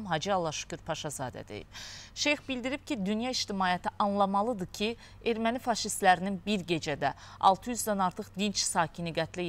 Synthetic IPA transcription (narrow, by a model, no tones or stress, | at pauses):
mɦɑd͡ʒiɑlˠːɑʃu̥cyɾpʰɑʃɑzɑ̰ːd̪æ̰d̪ḛjḭb̥̚ʃe̞jxbild̪iɾib̚cʰid̪ynjɑiʃt̪imɑːjæt̪ʰiʔɑnlˠɑmɑlˠɯd̪ɯcʰi | e̞ɾmænifɑʃist̪læɾininbiɾɟe̞d͡ʒæd̪æ | ɑ̰lˠt̪ʰɯjyzd̪ænɑɾt̪ʰɯχd̪int͡ʃsɑːcʰiniɡæt̪ʰlæ